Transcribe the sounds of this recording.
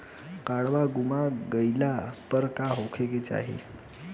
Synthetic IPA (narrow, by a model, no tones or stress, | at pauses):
kaɽʋaɡumaɡəjlapəɾkaɦokʰeket͡sa̰ɦḭ